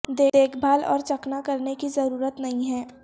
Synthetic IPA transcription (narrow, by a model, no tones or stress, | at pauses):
d̪eːeːkʰbʱaːlɔ̰ːɾt͡ʃɐknakɐɾnekizɐɾuːɾət̪nɐɦĩɦɛː